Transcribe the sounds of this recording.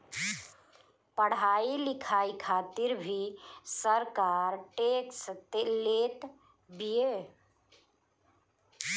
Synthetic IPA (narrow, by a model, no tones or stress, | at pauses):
pəɽ̤ailikʰaikʰat̪iɾbʱisəɾkaɾʈekst̪elet̪ | bije